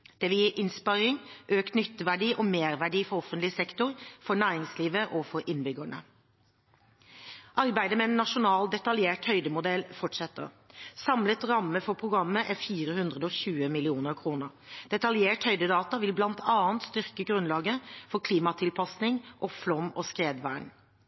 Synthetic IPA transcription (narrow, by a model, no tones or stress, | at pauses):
d̪̥ɛʋɪljiːʔɪnspɑɾɪŋʔøːkt̪nʏt̪ːəʋæɖiːʔɔmeːʁʋæɖiːfɔɾɔfənt̪lɪsɛkt̪ʊɾfɔɳæːɾɪŋsliːʋəʔɔfɔɾʔɪnbʏɡəɳə̰ | ʔɑɾbæɪd̪əmɛɛnːɑʂʊnɑːld̪ɛt̪ɑljeːʈhœʏd̪əmʊd̪ɛlːfɔʈʂɛt̪ːə̰ʁ | sɑmlət̪ɾɑmːəfɔpʰʁʊɡɾɑmːəʔæfiːɾəhʉnd̪ʁəd̪əɔçʉːəmɪlɪuːnəʁkʰɾuːnəɾd̪̥ɛt̪ɑljeːʈhœʏd̪əd̪ɑːt̪ɑʋɪlblɑnt̪ʰɑːənt̪st̪ʏʁkəɡɾʉnlɑːɡəfɔkʰliːmɑt̪ʰɪlpʰɑsnɪŋʔɔflɔmːɔskʁeːd̪ʋæːɳ